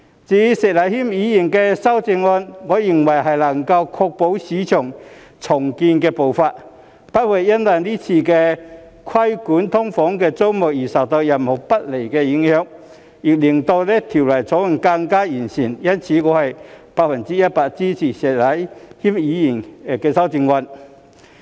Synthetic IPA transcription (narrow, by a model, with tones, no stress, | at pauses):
t͡siː˨˥sɛː˨˩t̚lɐ˨˥jhiː˥mjiː˨˧ji˨˩nkɛː˧sɐ˥wt͡sɪ˧ŋːɔː˧nŋɔː˨˧ji˨˩ŋwɐ˨˩jɦɐ˨jlɐ˨˩ŋkɐ˧wkʰɔː˧k̚po˨˥wsiː˨˥t͡ʃʰœː˨˩ŋ | t͡sʰʊ˨˩ŋkiː˧nkɛː˧po˨wfaː˧t̚ | pɐ˥t̚wɐ˨˩jːɐ˥nwɐ˨˩jliː˥t͡sʰiː˧kɛː˧ | kʰwɐ˥jkuː˨˥nt̪ʰʊ˥ŋfɔː˨˥ŋkɛː˧t͡so˥wmʊ˨k̚jiː˨˩sɐ˨p̚t̪ɔ˨˧k̚jɐ˨˩nho˨˩wpɐ˥t̚le˨˩jkɛː˧jɪ˨˥ŋhœː˧˥ŋ | ji˨k̚liː˨˩ŋt̪o˧wlɛː˥t̪ʰi˨˩wlɐ˨˩jt͡sʰɔ˨˥˨ŋka˧ŋkaː˥jiː˨˩nsiː˨˩njɐ˥nt͡sʰiː˨˧ŋɔː˨˧hɐ˨jpaː˧k̚fɐ˨˩nt͡siː˥jɐ˥t̚paː˧k̚t͡siː˥t͡sʰiː˨˩sɛː˨˩lɐ˨˥jhiː˥mjiː˨˧ji˨˩nkɛː˧sɐ˥wt͡sɪ˧ŋŋɔː˧n